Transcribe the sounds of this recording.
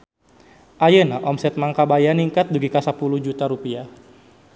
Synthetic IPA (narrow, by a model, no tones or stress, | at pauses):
ʔajənaʔɔmsɛt̪̚maŋkabajaniŋkat̪̚bəɡikasapuluhd͡ʒut̪aɾupia